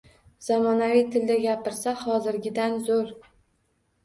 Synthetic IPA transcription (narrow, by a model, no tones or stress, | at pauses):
z̥amɒnavijt̪ʰɪld̪aɡʲapɪɾsahɒzɪɾɡʲɪd̪anzoɾ